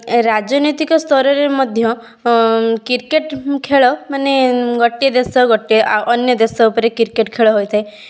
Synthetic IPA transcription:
ɾad͡ʒɔnɔjt̪ikɔst̪ʰɔɾɔɾemɔd̪ʱjɔ | kiɾkeʈkʰeɭɔmaneɡɔʈːied̪esɔɡɔʈeʔɔnjɔd̪esɔupɔɾekiɾkeʈkʰeɭɔɦojt̪ʰae

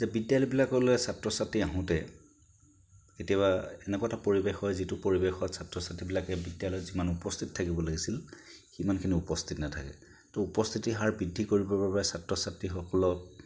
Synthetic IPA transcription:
zɛbidjalɔjbilakɔloɛsatɹɔsatːiaɦʊ̃tɛ | ketiaβaɛnɛkɔatapoɹibexɔjzitupoɹibexɔtsatɹɔsatːibilakɛbidjalɔjzimanupɔstʰittʰakibɔlaɡisil | ximankʰiniupɔstʰitnatʰa̰kɛ̰ | tɔupɔst̪ʰitiɦaɹbidʱːikoɹibɔbapaɛsatɹɔsatɹixɔkɔlɔ

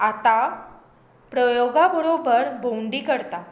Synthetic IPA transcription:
at̪a | pɾəjoɡabəɾobəɾbʱowɳɖiːkəɾt̪a

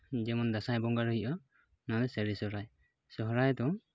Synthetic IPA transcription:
d͡ʒɛmɔnd̪asajbɔŋɡaɾɔɦiʔɔ | nɔd̪ɛsɛɾisɔɾaj | sɔɦɾajd̪ɔ

